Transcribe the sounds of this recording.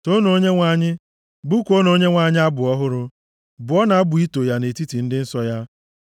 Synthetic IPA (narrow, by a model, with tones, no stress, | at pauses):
to˦no˦ɲe˦ŋʷa˨ɲɪ˦ | bu˦kʷo˦no˨˦ɲe˦ŋʷa˨ɲɪ˦a˦bʊ˨ɔ˦ɦʊ˦ɾʊ˦ | bʊ˨˦ɔ˦na˨a˦bʊ˨i˦to˨ja˦ne˨ti˦ti˨n̩˦dɪ˦n̩˦sɔ˦ja˦